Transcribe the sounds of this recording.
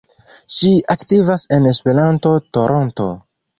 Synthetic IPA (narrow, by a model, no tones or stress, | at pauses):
ʃiaktivase̞ne̞spe̞ɾanto̞to̞ɾʔo̞nto̞̰